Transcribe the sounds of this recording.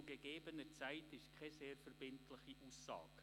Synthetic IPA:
uɡeɡ̥eːbənət͡saɪtɪʃkʰɛzeːɾfɛɾb̥ɪntʰlɪχiʔuːsːɑ̰ːk

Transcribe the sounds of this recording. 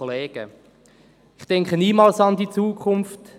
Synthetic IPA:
oleːɡ̥ə | ɪχtɛŋkχəniːmɑːlsɑndit͡suːkʰχʊmft

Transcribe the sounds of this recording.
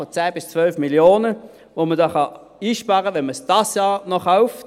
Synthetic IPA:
fɔt͡sæːb̥ɪst͡svœlfmiljoːnə | ʋomədɑːχɑ | iːʃpɑːʁəʋɛnməsd̥ɑsjɑːnɔχaʊft

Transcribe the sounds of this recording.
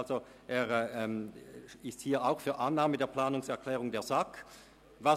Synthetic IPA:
lzo | ʔeːɛɛmɪsthiːɐʔaʊxfyːɐʔanːaːmədeːɐpl̥aːnʊŋsɛɐkʰl̥ɛːʁʊŋdeːɐzak | va

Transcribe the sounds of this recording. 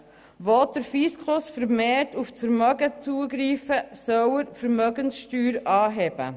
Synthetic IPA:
vɔt̚d̥əɾfiskʰʊsfəɾmeːɾtuftfəɾmœɡət͡suəɡɾiːfəsœwəɾfəɾmœɡənsʃtyːɾɑːɦɛbə̰

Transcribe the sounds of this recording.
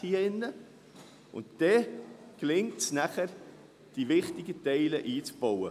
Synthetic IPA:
hiəɪnːə | ʊ̰ntd̥ɛklɪŋtsnæχəɾ | d̥iʋɪχt̪ɪɡətɛɪləʔiːt͡sb̥ɔwə

